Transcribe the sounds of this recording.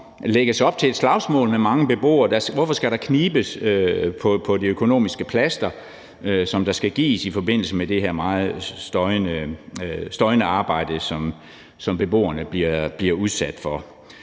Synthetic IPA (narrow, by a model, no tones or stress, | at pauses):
leɡ̥əsɒ̽b̥̚t͡sʰe̝e̝d̥slɑ̈ʊsmɔ̰̽ːlmemɑ̈ŋəb̥e̝b̥o̝̰ːɐd̥ɑsʋɒfɒ̽sɡ̥æɾɑ̈kʰniːb̥əsøpʰɒ̽pʰɒ̽diøkʰo̝no̝̰ːmisɡ̥əpʰlæsd̥ɐ | øsɒ̽md̥ɑ̈sɡ̥æɡ̥ḭːsifɒ̽be̝n̰l̩səmed̥e̝hæɐmɑ̈ːð̩ˠsd̥ɒɪnə | sd̥ɒ̽ɪnəɑ̈ːb̥ɑ̈ɪ̰d̥əsɒ̽m | sɒ̽mb̥e̝b̥o̝̰ːɐnəb̥liɐb̥liɐuð̞ˠsæd̥fɒ̽